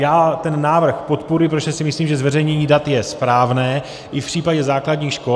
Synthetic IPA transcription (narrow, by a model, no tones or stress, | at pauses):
jaːt̪ɛnːaːvr̩xpo̞t̪poɾɪp̬ɾot̪ʒɛsɪmɪsliːmʒɛzvɛrɛjɲɛɲiːdat̪jɛspɾaːvnɛː | ʔɪfpr̝̥iːpaɟɛzaːkladɲiːxʃko